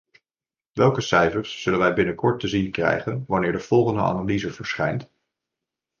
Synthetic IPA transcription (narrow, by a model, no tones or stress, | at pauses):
ʋɛlˠkəsɛjfəɹsːɵlənʋɛjbɪnəkɔɹtəzinkrɛ̰jχənʋɑnɪːɹdəv̥ɔlˠχəndə̰a̰ːnalizəvəɹsχɛ̰jnt